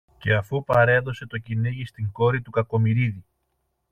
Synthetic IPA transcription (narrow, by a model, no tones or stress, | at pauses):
ce̞ɐfupɐɾe̞ðo̞se̞t̪o̞cineʝist̪iŋɡo̞ɾit̪ukɐko̞miɾiði